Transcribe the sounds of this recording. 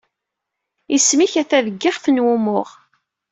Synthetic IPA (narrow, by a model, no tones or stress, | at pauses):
ismiçæθæðəɡːɪχθənwumʊʁ